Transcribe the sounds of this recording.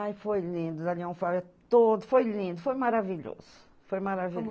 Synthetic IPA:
ajfojlĩnd̪ʊd̪aliɐ̃w̃faɾɐt̪od̪ʊfojlĩnd̪ʊfojmaɾaviʎo̰z̥ʊ̥ | fojmaɾavi

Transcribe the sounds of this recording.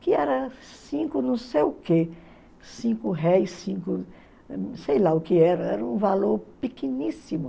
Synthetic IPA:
kɪɛɾɐsĩkʊnɐ̃w̃sejʊke | sĩkʊɦɛjsːĩkʊ | sejlaʊkɪɛɾɐɛɾɐũvaloɾpikenisimʊ

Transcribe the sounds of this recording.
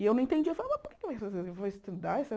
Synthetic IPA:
ɪewnɐ̃ẽt̪ẽd͡ʒiewfalavɐpʊoɾke̥kɪvajsfazezewvoɪst̪ẽd̪aesɪ

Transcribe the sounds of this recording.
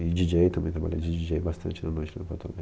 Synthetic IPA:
id͡ʒid͡ʒejt̪ɐmẽj̃t̪ɾaba̰ʎa̰d͡ʒid͡ʒid͡ʒejbast̪ɐ̰̃nt͡ʃɪnɐnojt͡ʃɪnɐ̃pɔt̪ɐb̪a

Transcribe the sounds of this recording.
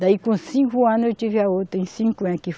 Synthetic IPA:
d̪aikũsĩkuanũt͡ʃifjaot̪eĩsĩŋkuãki

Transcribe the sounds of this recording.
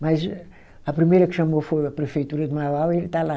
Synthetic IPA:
mɐz | ɐpɾimejɾɐkʃɐmofojɐpɾɨfejt̪uɾɐd̪mavawelt̪ala

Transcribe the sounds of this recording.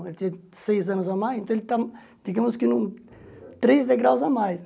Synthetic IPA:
elɪt̪ĩɐsejzɐ̃nʊzamajsẽnt̪ɐ̃elɪt̪a | d̪̥iɡɐmʊskɪnũ | t̪ɾezd̪eɡɾawzamajs

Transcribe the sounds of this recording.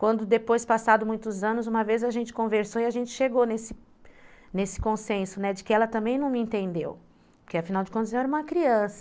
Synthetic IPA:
kwɐ̃nd̪ʊd̪epojspasad̪ʊmũj̃t̪ʊzɐ̃nʊzũmɐvezaʒẽnt͡ʃɪ̥kõveɾsoɪaʒẽnt͡ʃɪ̥ʃeɡonesɪ | nesɪ̥kõsẽsʊnɛd͡ʒɪkɪɛlɐt̪ɐ̃mbẽj̃nɐ̃w̃mɪĩnt̪ẽnd̪ḛw | pʊɾkeafinawd͡ʒɪkõnʊzew̃ɛɾɐũmɐkɾiɐ̃sɐ̥

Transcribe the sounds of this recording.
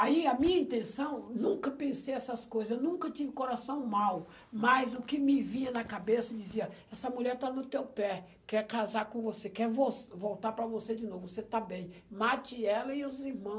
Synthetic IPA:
aiɐmĩɲɐĩnt̪ẽsɐ̃w̃nũkɐpẽsejɛsɐskojzɐzewnũkɐt͡ʃĩvʊkoɾasɐ̃w̃maw | mɐjzʊkɪmɪvĩɲɐnɐkabesɐd͡ʒiziɐɛsɐmuʎɛɾt̪anʊt̪ewpɛ | kɛɾkazaɾkõvosekɛɾvosvowt̪aɾpɾɐvosed͡ʒɪnovʊvoset̪abẽj̃mat͡ʃɪɛlɐɪʊziɾmɐ̃w̃

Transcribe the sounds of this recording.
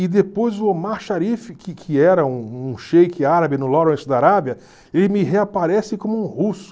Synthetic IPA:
ɪd̪epojzʊomaɾʃaɾifɪkɪkʰɪɛɾɐũũʃejkɪaɾabɪnʊlɔɾẽt͡ʃɪd̪aɾabiɐ | elɪmɪɦeapaɾɛsɪkõmʊũhusʊ̥

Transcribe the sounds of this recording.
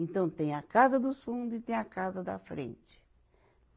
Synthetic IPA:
ẽnt̪ɐ̃w̃t̪ẽj̃ɐkazɐd̪ʊsfũnd̪ʊit̪ẽj̃ɐkazɐd̪ɐ̰fɾḛ̃nt͡ʃɪ̥

